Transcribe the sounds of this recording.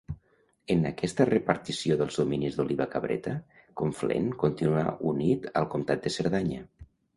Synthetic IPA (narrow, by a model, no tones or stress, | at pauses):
ənakɛst̪ərəpəɾt̪isioðəlˠzðuminizðuliβakaβɾɛ̰t̪ə | koɱflḛŋkunt̪inua̰ʔunit̪ə̰lˠkumt̪at̪̚d̪əsəɾðaɲə